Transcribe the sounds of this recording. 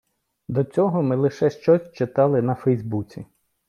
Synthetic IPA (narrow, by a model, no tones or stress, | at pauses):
d̪ɔt͡sʲɔɦɔmɪlˠɪʃɛʃt͡ʃɔsʲt͡ʃɪt̪ɑlˠɪnɐfɛjzbut͡sʲḭ